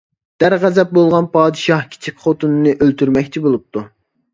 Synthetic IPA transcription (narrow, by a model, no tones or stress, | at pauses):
d̪̥æɾʁæzɛp̚bolˠʁɑnpɑːd̪ɨʃɑhkʲʰi̥t͡ʃʰikʲχot̪unɨnɨʔølt̪yɾmɛkʲt͡ʃʰibolˠup̚t̪ʰu